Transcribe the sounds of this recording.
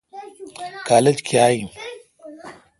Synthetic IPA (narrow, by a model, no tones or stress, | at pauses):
kaːled͡ʑkjaːĩ